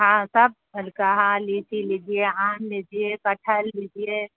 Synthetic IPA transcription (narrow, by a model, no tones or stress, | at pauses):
ɦãsəb̚əlkaɦãlitilid͡ʒieãːnlid͡ʒiekəʈʰəlːid͡ʒie